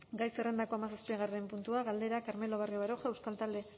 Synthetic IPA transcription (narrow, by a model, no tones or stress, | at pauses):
ɡajsere̞nd̪akoamasaspiɣarempunt̪uaɣald̪e̞ɾakaɾme̞lo̞β̞arioβaɾo̞xaewskalt̪ald̪e̞